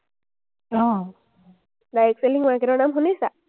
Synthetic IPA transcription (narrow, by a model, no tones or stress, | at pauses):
ɔ̃ | dajekseliŋmakeɾɔnamɦunisa